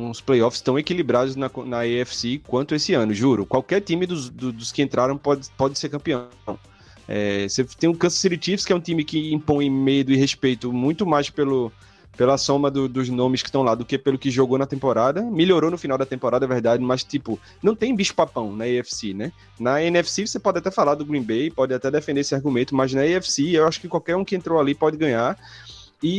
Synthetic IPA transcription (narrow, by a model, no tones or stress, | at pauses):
ũsplejɔfɪ̥st̪ɐ̃w̃ekilibɾad̪ʊznɐknɐeɛfsekwɐ̃nt̪ʊesɪɐ̃nʊʒuɾʊkwawkɛɾt̪ĩmɪd̪ʊzd̪ʊd̪ʊskɪẽnt̪ɾaɾɐ̃w̃pɔd̪ɪpɔd̪ɪseɾkɐ̃mpiɐ̃ | w̃ | ɛ̰set̪ẽj̃ʊ̃kɐ̃sɐ̥siɾit̪ifskɪɛũt̪ĩmɪkɪĩpõj̃med̪ʊɪɦespejt̪ʊmũj̃t̪ʊmajspelʊ | pelɐsõmɐd̪ʊd̪ʊznõmɪskɪʃt̪ɐ̃w̃lad̪ʊkepelʊkɪʒoɡonɐt̪ẽpoɾad̪ɐmiʎjoɾonʊfinawd̪ɐt̪ẽmpoɾad̪ɐvɛɾd̪ad̪ɪmɐst̪ipʊ | nɐ̃w̃t̪ẽj̃biʃʊ̥papɐ̃w̃nɐiɛfsinɛ | nɐẽnɛfsivosepɔd̪ɪat̪ɛfalaɾd̪ʊɡɾĩbejpɔd̪ɪat̪ɛd̪efẽd̪eesɪahɡũmẽnt̪ʊmɐznɐiɛfsiewaʃʊ̥kɪkwawkɛɾũkɪẽnt̪ɾowalipɔd̪ɪɡɐ̃ɲaɾ | ɪ